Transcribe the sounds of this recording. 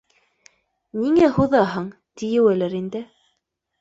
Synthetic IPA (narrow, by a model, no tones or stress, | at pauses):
niŋæhuðɑɦɤɴ | t̪ijɘ̆wælæɾind̪ɘ